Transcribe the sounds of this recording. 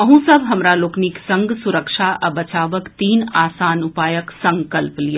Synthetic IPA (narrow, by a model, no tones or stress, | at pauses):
ɐɦũsɐbʱɦɐmɾaloːkniksɐ̃ŋɡsʊɾəkʃaʔɐbɐt͡ʃaːʋəkt̪iːnaːsaːnʊpaːjəksɐ̃ŋkəlplija